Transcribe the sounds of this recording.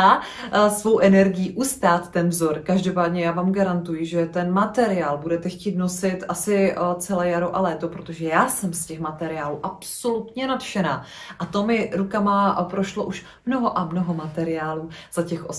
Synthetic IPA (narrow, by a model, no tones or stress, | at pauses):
a | svo̞wʔɛnɛɾɡɪjiʔust̪aːt̪ːɛnvzo̞ɾkaʒdo̞paːdɲɛjaːvaːmɡaɾant̪ujɪʒɛt̪ɛnmat̪ɛɾɪaːlbudɛt̪ɛxciːt̪no̞sɪt̪ʔasɪt͡sɛlɛːjaɾowʔalɛːt̪opɾo̞t̪o̞ʒɛjaːsɛmscɛxmat̪ɛɾɪaːluːʔapso̞lut̪ɲɛnat̪ʃɛnaː | ʔat̪o̞mɪɾukamapɾo̞ʃlo̞ʔuʃ | mno̞ɦo̞ʔamnoɦo̞mat̪ɛɾɪaːluːz̥acɛxʔo